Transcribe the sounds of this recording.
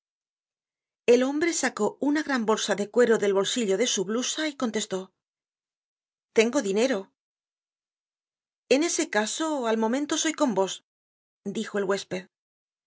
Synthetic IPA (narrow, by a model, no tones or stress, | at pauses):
e̞lo̞mbɾe̞sako̞unaɣɾambo̞lsaðe̞kwe̞ɾo̞ðe̞lβo̞lsiʎo̞ðe̞suβlusaiko̞nt̪e̞st̪o̞ | t̪e̞ŋɡo̞ðine̞ɾo̞ | e̞ne̞se̞kaso̞almõ̞mẽnt̪o̞so̞jko̞mbo̞s | d̪ixo̞elɣwe̞speð